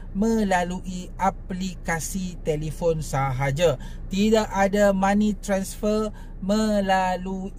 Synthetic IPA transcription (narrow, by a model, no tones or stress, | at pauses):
mə̃laluʔi | aplikasit̪elifonsaɦad͡ʒa | t̪idaʔadamãnĩt̪ɾansfər | mə̃lalu